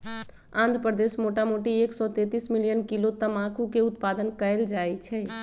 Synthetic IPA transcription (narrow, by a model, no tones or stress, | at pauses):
ãnd̪ʱpɾəd̪esmoʈamoʈieksɔt̪ẽt̪ismilijənkilot̪əmãkʰukeut̪̚pad̪ənkəeld͡ʒajt͡ʃʰɛ